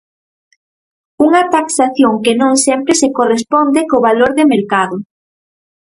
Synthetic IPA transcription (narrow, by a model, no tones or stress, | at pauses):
uŋɐt̪aksaθjoŋkenõŋsɛmpɾɪsekorespond̪ekoβaloɾðemeɾkaðʊ